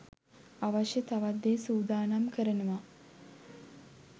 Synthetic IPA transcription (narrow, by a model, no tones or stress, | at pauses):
aʋaʃjət̪aʋad̪ːeːsuːd̪aːnamkʰəɾənəʋa